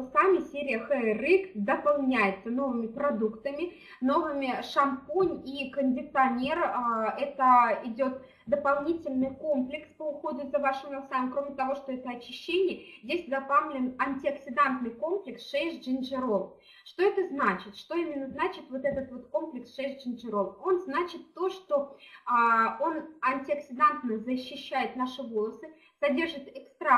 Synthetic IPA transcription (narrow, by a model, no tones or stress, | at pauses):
samʲɪsʲeɾʲɪjəxɛrɨkd̪əpalˠnʲæjɪt̪səno̞vɨmʲɪpɾɐd̪ukt̪əmʲɪ | no̞vɨmʲɪʂɐmponʲikənʲdʲɪt̪t̪ɐnʲerɛt̪əɪdʲo̞t̪̚ | d̪əpalˠnʲitʲɪlʲnɨjko̞mplʲɪkspəʊxo̞d̪ʲʊzɐvaʂɨmɐlˠsamʲkɾo̞mʲɪt̪ɐvo̞ʂt̪o̞ɛt̪əɐt͡ɕɪɕːenʲɪjəzʲdʲesʲd̪ɐpalʲɪnɐnʲtʲɪɐksʲɪd̪ant̪nɨjko̞mplʲɪksʂɛjʐʐɨnʲʐɨɾo̞f | ʂt̪o̞ɛt̪əznat͡ɕɪt̪ʂt̪o̞imʲɪnːəznat͡ɕɪt̪vo̞t̪ɛt̪ət̪vo̞t̪ko̞mplʲɪksʂɛʐʐɨnʲʐɨɾo̞fo̞nznat͡ɕɪt̪ːo̞ʂt̪o̞ | o̞nɐnʲtʲɪɐksʲɪd̪ant̪nɨjzəɕːɪɕːæjɪt̪naʂɨvo̞lˠəsɨ | sɐdʲe̞rʐɨt̪ɪkst̪ɾa